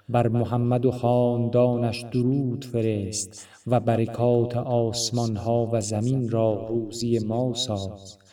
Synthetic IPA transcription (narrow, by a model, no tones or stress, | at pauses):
bæɾmoɦæmːæd̪oχɒːnd̪ɒːnæʃd̪oɾuːd̪̥fe̞ɾest̪ | væbæɾekʰɒːt̪ʰeʔɒːsmɒnhɒːvæzæminɾɒːɾuːzije̞mɒːsɒːxt̪